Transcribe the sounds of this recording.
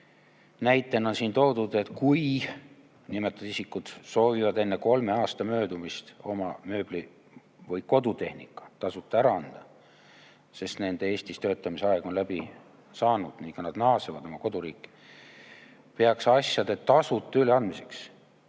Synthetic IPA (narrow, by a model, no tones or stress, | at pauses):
næjt̪ːˑe̞no̞nsiːnt̪o̞ːd̪̥ud̪e̞t̪kuj | nimet̪ːˑɑd̪isikːˑud̪̥so̞ːvivɑd̪e̞nːeko̞lmeɑːst̪ɑmø̞ːd̪umist̪o̞̰mɑmø̞ːb̥li | vɤjko̞d̪ut̪e̞hnikːˑɑ̥t̪ɑsut̪ˑːɑæɾɑɑnd̪̥ɑ | se̞st̪ne̞nd̪̥eeːst̪ist̪øːt̪ːˑɑmiseɑe̞ɡ̥o̞nlæb̥i | sɑːnud̪̥niŋkɑnɑd̪nɑːsevɑd̪o̞mɑko̞d̪uɾiːkːˑi̥ | peɑksɑsjɑd̪̥et̪ɑsut̪ːˑɑyleɑnd̪̥mise̞ks